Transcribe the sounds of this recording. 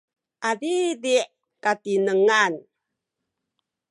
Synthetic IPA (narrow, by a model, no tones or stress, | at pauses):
ʔadidiʔ | katinəŋan